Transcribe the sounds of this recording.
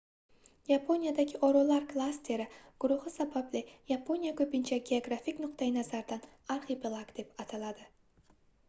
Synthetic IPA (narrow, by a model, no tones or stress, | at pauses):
japʰo̞nijad̪aɡʲɪʔɒɾolaɾklˠast̪ʰe̞ɾɪɡ̥ʊɾʊhɨsabablɪjapʰo̞nijakʰɵpɪnt͡ʃʰaɡʲe̞oɡɾafɪkʲnʊqt̪ʰajɪnazaɾd̪an | aɾχepelˠaɡd̪e̞pat̪ʰalad̪ɪ